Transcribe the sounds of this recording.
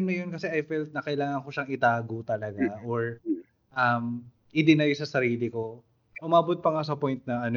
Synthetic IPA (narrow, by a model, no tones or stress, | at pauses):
mnɐjonkɐsɛʔɐjfɛlt̪̚nɐkɐʔɪlaːŋɐnko̞ʃɐŋɪt̪aːɡot̪ɐlɐɡaʔoɹ | ʔɐm | ʔɪd̪ɪnajsɐsɐɾiːlɪko̞ | ʔʊmaːbot̪̚pɐŋas̬ɐpojnt̪̚nɐɐno